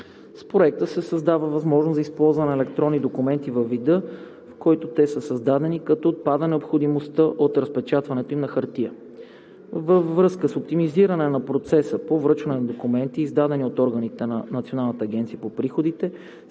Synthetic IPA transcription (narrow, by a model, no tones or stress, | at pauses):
spɾoɛk̚t̪əsɛsəzd̪avəvɐzmɔʒnoszɐispɔlˠzvɐnɛɛlɛkt̪ɾɔnːid̪okumɛnt̪ivəvːid̪ɤ | fkɔjt̪ot̪ɛsəsɐzd̪ad̪ɛnikɐt̪ɔot̪̚pad̪ənɛopxod̪imost̪əʔot̪ɾɐspɛt͡ʃat̪vɐnɛt̪oimnɐxɐɾt̪iə | vəvːɾɤskəsop̚t̪imiziɾɐnɛnɐpɾot̪sɛsəpovɾɤt͡ʃvɐnɛnɐd̪okumɛnt̪iːzd̪ad̪ɛniot̪ɔɾɡənit̪ɛnɐnɐt̪sionalˠnɐt̪ɐːɡʲɛnt̪sijəpopɾixod̪it̪ɛ